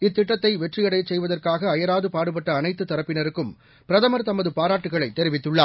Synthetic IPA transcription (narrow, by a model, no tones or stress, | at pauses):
ɪt̪ːɪʈːɐt̪ːɐɪʋɛʈrɪjɐɽɐɪt͡ʃsɛjʋɐðɐrkaːɣɐːjɐɾaːðɯpaːɽɯp̬ɐʈːɐːnɐɪt̪ːɯt̪ːɐɾɐpːɪnɐɾɯkːɯm | pɪɾɐðɐmɐɾt̪ɐmɐðɯpaːɾaːʈːɯɣɐɭɐɪt̪ːɛɾɪʋɪt̪ːɯɭːaː